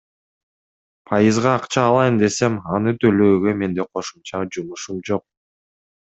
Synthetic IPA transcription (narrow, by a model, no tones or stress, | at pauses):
pʰɑjɯzʁɑːqt͡ʃɑːlˠɑjɯnd̪e̞se̞mɑnɯt̪ʰø̞løːɡø̞me̞nd̪e̞qʰo̞ʃumt͡ʃɑd͡ʒumuʃumd͡ʒo̞q̚